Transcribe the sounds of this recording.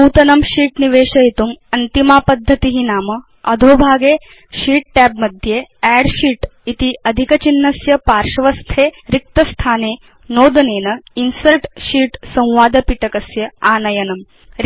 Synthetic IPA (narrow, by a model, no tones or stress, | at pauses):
puːt̪ɐnɐmʃiːʈniʋeːʃɐit̪umɐnt̪imaːpɐd̪ʱːɐt̪iɦinaːmɐ | ɐd̪ʱoːbʱaːɡeː | ʃiːʈ̚ʈɛːbmɐd̪ʱjeːɛːɽʃiːʈit̪iʔɐd̪ʱikɐt͡ʃinːɐsjɐpaːɾʃɐʋɐst̪ʰeːɾik̚t̪ɐst̪ʰaːneː | noːd̪ɐneːnɐinsɐlʈʃiːʈsɐ̃w̃ʋaːd̪ɐpiʈɐkɐsjɐaːnɐjɐnɐm | ɾ